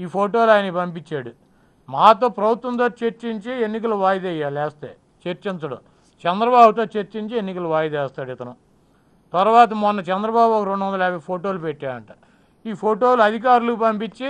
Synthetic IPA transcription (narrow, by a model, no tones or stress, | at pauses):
iːpʰoːʈo̞ːlaːjɐnɐipɐmpit͡ʃːaːɽu | maːt̪o̞ːpɾɐbʱut̪ʋɐnt̪o̞ːt͡ʃeɾt͡ʃiɲt͡ʃienːik̬ɐluʋaːjɐd̪ɛjːaːlɛːst̪ḛː | t͡ʃeɾt͡ʃint͡sɐɽɐ̰ | t͡ʃɛnd̪ɾɐbaːbut̪o̞ːt͡ʃeɾt͡ʃiɲt͡ʃienːikɐluʋaːjɐd̪ɛːst̪aːɽit̪ɐnu | t̪ɐɾuʋaːt̪̬ɐmɔnːɐt͡ʃɛnd̪ɾɐbaːbokɐɾoɳɖʋɐnd̪ɐlɛːbɐpʰoːʈo̞ːlupeʈːaːɾɐ̰ɳʈaː | iːpʰoːʈo̞ːluɐd̪ʱik̬aːɾulukupɐmpit͡ʃːi